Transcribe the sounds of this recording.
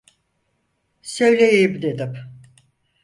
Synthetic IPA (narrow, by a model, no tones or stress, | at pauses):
sø̞jlʲejejibd̪ʲed̪im